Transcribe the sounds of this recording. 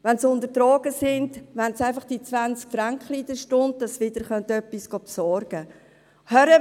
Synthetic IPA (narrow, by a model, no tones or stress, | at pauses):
ʋɛnsʊndətɾɔːɡ̥əsɪndʋɛnsæɪfɑχd̥it͡sʋant͡skfɾaŋkχliːd̥əʃtʊnd̚d̥ɑsʋɪd̥əɾχœnt̪œpːisɡ̥ɔpsɔɾɡ̥ə | hœɾə